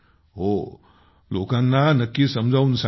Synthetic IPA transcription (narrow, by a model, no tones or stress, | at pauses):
ɦo | lokãnːanəkːisəmd͡zʱaunsa